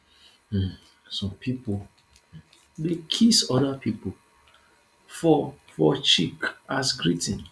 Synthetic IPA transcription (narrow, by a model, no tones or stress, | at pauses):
sɔ̃mpʰipo | dekʰisɔdapʰipo | fɔ | fɔt͡ʃikasɡɾitĩn